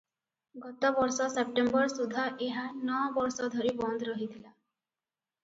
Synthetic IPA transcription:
ɡɔt̪ɔbɔɾsɔsep̚ʈembɔɾsud̪ʱːaʔeɦanɔbɔɾsɔd̪ʱɔɾibɔnd̪ʱɾɔɦit̪ʰila

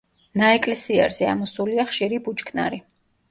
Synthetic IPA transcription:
naɛkʼlɛsia̰ɾz̥ɛa̰mɔsuliaχʃiɾibut͡ʃʼkʰna̰ɾi

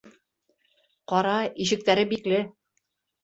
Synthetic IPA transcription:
qɑɾɑiʃɘ̆k̚t̪æɾɘbiklɘ

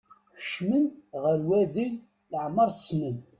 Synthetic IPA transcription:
xə̥ʃmənʁəɾwæðiʝ | ləʕməɾˤsmən

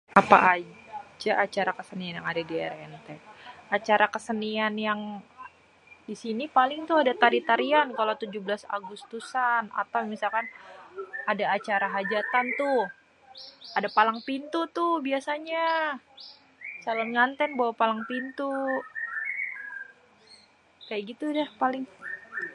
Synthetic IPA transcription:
apa̰ʔad͡ʒaʔat͡ʃaɾakəsənianjaŋadadiɛ̰ɾɛnt̪ɛat͡ʃaɾakəsənianjaŋ | disinipalɪŋt̪uadat̪aɾit̪aɾiankalawt̪ud͡ʒublasa̰ɡust̪usana̰t̪awmisalkan | adaːt͡ʃaɾaɦad͡ʒat̪ant̪ʊ | adapalaŋpint̪ut̪ʊhbiasaɲa | salamŋant̪ɛnbawapalaŋpint̪u | kajaʔɡit̪udɛhpalɪŋ

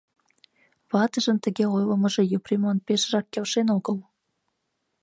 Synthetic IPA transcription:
βɑt̪ə̆ʒə̆nt̪ə̆ɣeojlə̆mə̆ʒĕjuprʲimonpʲeʃrɑkːelʃenoɣəl

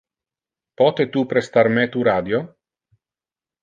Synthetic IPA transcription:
pɔt̪et̪upɾest̪armet̪uɾaːd̪jo

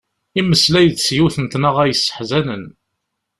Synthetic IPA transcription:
iməslæjət͡sːsjuθənt̪nəʁæjəsːə̥ħzænən

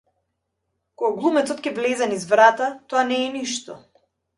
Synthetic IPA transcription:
kɔɡaɡlˠumɛt̪sɔt̪kɛblɛzɛnizvɾat̪at̪ɔanɛːniʃt̪ɔ

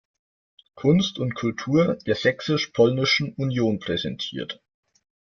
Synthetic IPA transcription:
kʰʊnstʊntkʰʊltʰuːɐd̥eːɐz̥ɛksɪʃpʰɔlnɪʃn̩unjoːnpʁ̥ɛzɛntʰiːɐt

